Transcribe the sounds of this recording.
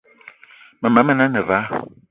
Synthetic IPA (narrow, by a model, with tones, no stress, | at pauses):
mə˨ma˨˦mə˦˨na˦nɛ˨va˨˦